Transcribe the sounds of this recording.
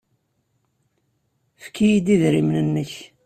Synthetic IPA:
fkʰːijid̪iðɾimnənːəç

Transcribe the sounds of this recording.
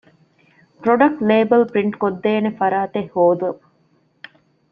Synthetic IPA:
pɾoɖɐk̚ʈleːbɐlpɾiɳʈkod̪ːeːnefɐɾaːt̪ehːoːd̪uɐb

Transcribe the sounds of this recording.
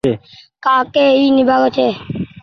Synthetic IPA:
ekaːkeːiːnɪbʱaːɡot͡ʃʰeː

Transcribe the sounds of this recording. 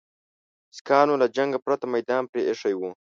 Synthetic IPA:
skɑːnolad͡ʒaŋɡapɾat̪amajd̪ɑːnpɾeʔeʂajwu

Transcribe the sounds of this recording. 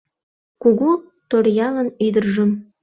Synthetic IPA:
kuɣu | t̪orjɑlənyd̪ərʒəm

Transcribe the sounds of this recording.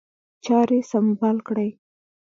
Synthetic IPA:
t͡ʃɑɾesambɑlkɽəj

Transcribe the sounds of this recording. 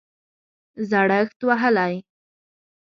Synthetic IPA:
zaɽəxt̪waɦəlaj

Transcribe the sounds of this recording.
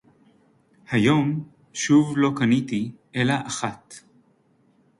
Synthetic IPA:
hajo̞m | ʃuvlo̞kanit̪iʔelaʔaχat̪

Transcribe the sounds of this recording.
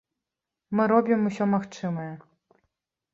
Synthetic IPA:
mɨɾɔbʲimusʲɔmaxt͡ʂɨmɐjɛ

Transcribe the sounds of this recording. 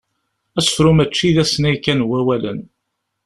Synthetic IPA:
æsə̥fɾʊmæt͡ʃːiðæsnæjkːænwæwælə̰n

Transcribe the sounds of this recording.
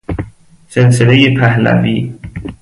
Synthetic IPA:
senselejepʰæhlæ̰viː

